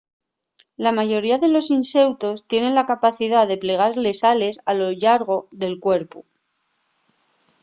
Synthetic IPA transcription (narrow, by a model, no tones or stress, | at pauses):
lamaʝo̞ɾiaðe̞lo̞sinse̞wt̪o̞st̪je̞ne̞nlakapaθiðaðe̞ple̞ɣ̞aɾle̞sale̞salo̞ʎaɾɣ̞o̞ðe̞lkwe̞ɾpu